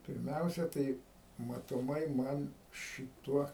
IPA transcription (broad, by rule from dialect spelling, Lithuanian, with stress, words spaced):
pʲɪrʲˈmʲɛʊsʲɛ ˈtɐɪ mɐtoːˈmɐɪ ˈmɐn ʃʲɪˈtuɔ